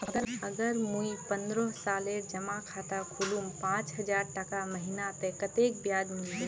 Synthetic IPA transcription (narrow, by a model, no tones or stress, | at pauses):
əɡəɾəɡəɾmuipənd̪ɾɔsaːleɾd͡ʒəmakʰat̪akʰolumpãːt͡ʃɦəd͡ʒaɾʈəkaməɦinat̪ɛkət̪ek̚bjad͡ʒmild͡ʒe